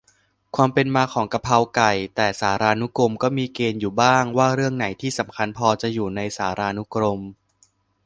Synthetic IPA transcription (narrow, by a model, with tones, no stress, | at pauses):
kʰwaː˧mpe˧nmaː˧kʰɔː˩˦ŋka˧pʰa˧wka˨˩jt̪ɛː˨˩saː˩˦ɾaː˧nu˦˥kɾo˧mkɔː˥˩miː˧keː˧njuː˨˩baː˥˩ŋwaː˥˩ɾɯ˥˩əŋna˩˦jt̪ʰiː˥˩sa˩˦mkʰa˧npʰɔː˧t͡ɕa˨˩juː˨˩na˧jsaː˩˦ɾaː˧nu˦˥kɾo˧m